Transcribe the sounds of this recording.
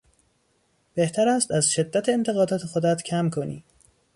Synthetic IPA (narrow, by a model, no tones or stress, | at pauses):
b̥e̞ht̪ʰæɾæst̪æzʃe̞d̪ːæt̪ʰeːnt̪ʰe̞ɣɒːd̪ɒːt̪ʰe̞xo̞d̪æt̪cʰæmkʰo̞nḭː